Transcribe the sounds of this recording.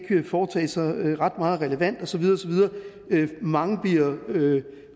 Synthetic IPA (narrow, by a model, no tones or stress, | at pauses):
kʰyɐfɒːt͡sʰɛ̰ːsɑ̈ɪʁɑ̈d̥mɑ̈ːð̩ˠʁɛləʋæn̰d̥ɒ̽sɒʋið̞ˠɐ̽ːsɒʋið̞ˠɐː | ømɑ̈ŋəb̥iɐø